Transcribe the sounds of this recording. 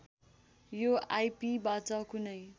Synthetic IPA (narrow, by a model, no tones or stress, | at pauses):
joajpibat͡sʌkunʌj